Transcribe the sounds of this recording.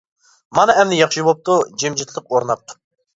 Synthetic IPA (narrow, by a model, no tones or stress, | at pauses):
mɑnɑɛmnɪjɑχʃibop̚t̪ud͡ʒemd͡ʒit̪ʰlˠɨq̚oɾnɑp̚t̪ʰʊ̥